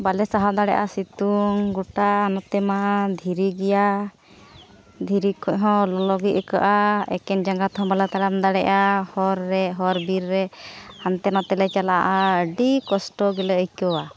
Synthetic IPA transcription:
balɛsaɦad̪aɽɛ̰ʔasit̪uŋɡuʈaːnɔt̪ɛmad̪ʱiɾiɡɛja | d̪ʱiɾikʰɔʔɦɔ̃lɔlɔɡiʔəka̰ʔaɛ̰kɛnd͡ʒaŋɡat̪ɔɦɔ̃balat̪aɽand̪aɽɛʔahɔɾːɛɦɔɾbiɾːɛhant̪ɛnɔt̪ɛlɛt͡ʃalaʔaəɖikɔsʈɔɡɛlɛəjkɔwa

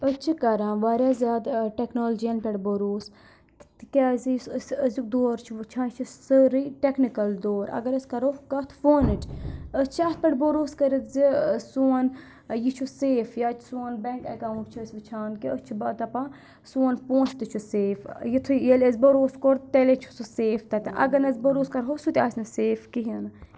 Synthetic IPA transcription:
ət͡ʃʰikɐɾãːʋaɾʲaːzʲaːd̪ʈeknoːld͡ʒijɐnpʲɐʈboɾoːs | t̪kʲazissəzuk̚d̪oːɾt͡ʃʰuʋɨt͡ʃʰãːt͡ʃʰisəɾiʈeknikɐld̪oːɾɐ̰ɡɐɾɐskɐɾokɐt̪ʰfoːnɨʈʰʲət͡ʃʰɐt̪̚pʲɐɽboɾuːskɐɾit̪zisuɐn | jit͡ʃʰuseːfjat͡ʃ̪ʰsuɐnbeŋkɐkaːuʈ̚t͡ʃʰusʲʋɨt͡ʃʰaːnkiəst͡ʃʰibɐt̪ɐpa | suɐnpõːnt͡ʃʰt̪ɨt͡ʃʰuseːfjit̪ʰujelʲɐzʲbɐɾoːskoɾt̪elet͡ʃʰu̥suseːfʰt̪ɐt̪ɐʔɐ̰ɡɐɾnɐzbɐɾoːskɐɾɦosut̪ʲaːsnɐseːfkiɦiɐnɐ

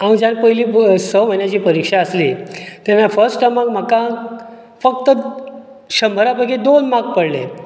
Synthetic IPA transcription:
amd͡ʑanpəjliːsəm̤ənjat͡ɕiːpəɾikʂaəsliːt̪janːafəɾsʈʈamakm̤akã | fək̚t̪ə | ɕəmbʱəɾabəɡed̪onmak̚pəɽlḛ

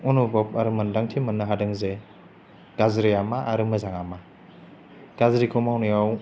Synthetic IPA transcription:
ɔnubɔp̚aɾɯmɯndaŋtʰimɯnːɯɦadɯŋze | ɡ̥azɾijamaʔːɾɯmɯzaŋama | ɡ̥azɾikʰɔmawnijaw

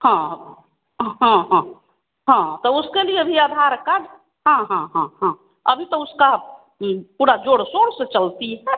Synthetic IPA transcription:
hã | ɦãɦã | ɦãt̪ɔuskelieəbʱiead̪ʱaɾkaɖ | ɦãɦãɦãɦã | əbʱit̪ɔuska | puːɾad͡ʒoɽsoɾsət͡ʃəlt̪iɦɛ

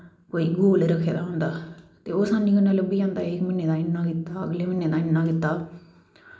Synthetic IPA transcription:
koːiːɡoːlːɾəkʰːḛːd̪aːɦʊ̃ːnd̪aːt̪eːoːsaːnĩːkənːaːləbiːãːnd̪aːeːkmɪneːd̪ãːɪnːãːkit̪ːaːə̰ɡleːmɪnːeːd̪ãːɪnːãːkɪt̪ːaː

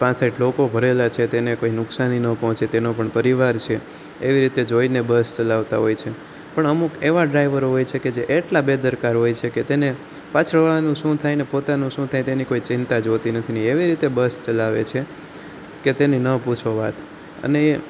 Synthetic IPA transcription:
pãt͡ʃsaiʈlokobʱəɾelat͡ʃʰet̪enekoinʊksaninəpɔɦt͡ʃet̪enopəɳpəɾiʋaɾt͡ʃʰe | eʋiɾit̪ed͡ʒoinebəst͡ʃəlaʋt̪aɦojt͡ʃʰe | pəɳəmukeʋaɖɾaiʋəɾɦojt͡ʃʰeked͡ʒeʔeʈlabed̪əɾkaɾɦojt͡ʃʰeket̪ene | pãt͡ʃʰɾəʋaɭanũʃũt̪ʰajnepot̪anũʃũt̪ʰajt̪enikoit͡ʃɪnt̪ad͡ʒot̪inət̪ʰinieʋiɾit̪ebəst͡ʃəlaʋḛt͡ʃʰe | ket̪eninəput͡ʃʰoʋat̪ | ə̰ne

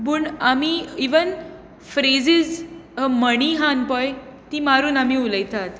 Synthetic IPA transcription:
buɳamiiʋən | fɾed͡zizməɳ̃iɦanpəjt̪imaɾuːnamiuləjt̪at̪

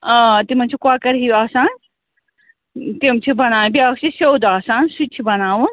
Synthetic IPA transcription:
at̪im̤ɐnt͡ʃʰikuaːkɐɾɦiaːsaːn | t̪imt͡ʃʰibɐnaːwbiaːkʰt͡ʃisewd̪aːsaːnsut͡ʃʰibɐnaːwun

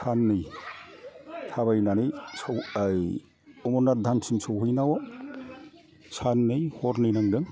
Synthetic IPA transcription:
sʰanːɯj | tʰaβajnanɯjsɔwj | ɔmunadʱansʰinsʰɔwhɯjnawɔ | sʰanːɯjhɔɾnijnaŋdɯŋ

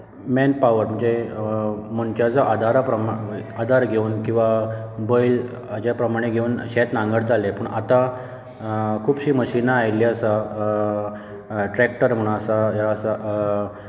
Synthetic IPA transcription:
mɛnpaʋəɾm̤əɳd͡ze | məɳt͡ɕad͡zaʔad̪ʱaɾapɾəmad̪ʱaɾɡʱeuːnkĩw̃ʋabəil | d͡ʑapɾəmaɽ̃eɡʱeuːnɕɛt̪nãŋɡəɽd͡zʱaljepəɳʔat̪a | kʰuːbɕiːməɕinaːjliəsa | ʈɾɛk̚ʈəɾm̤əɽ̃ũasajaəsa

